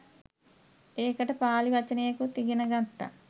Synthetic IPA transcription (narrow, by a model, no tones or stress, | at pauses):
eːkɐʈɐpaːliʋɐt͡ʃːɐneːɐkut̪iɡinɐɡɐnt̪ːɐ̰